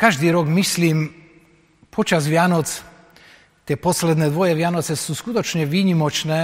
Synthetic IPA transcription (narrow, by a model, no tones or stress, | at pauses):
kaʒd̪iɾokmislim | pʰot͡ʃas̬ʋjaːnot̪s | t̪eposled̪nɛd̪ʋojɛʋjaːnot̪sɛsuskut̪ot͡ʃɲɛʋiɲimot͡ʃne